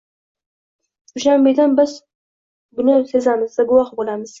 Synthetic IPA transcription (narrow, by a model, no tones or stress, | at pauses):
ʊʃambed̪anbɪz | bʊnɪse̞zamɪzd̪aɡʊwɑχbolamɪz̥